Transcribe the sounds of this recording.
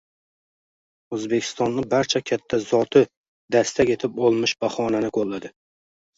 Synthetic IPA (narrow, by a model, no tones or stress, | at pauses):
ɵzbe̞kʲʰɪ̥st̪ɒnːɪbaɾt͡ʃʰakʲʰat̪ʰːazɒt̪ʰɪ | d̪ast̪ʰakʲe̞t̪ʰɪpɒlˠmɪʃbahɒnanɪkʰolːad̪ɪ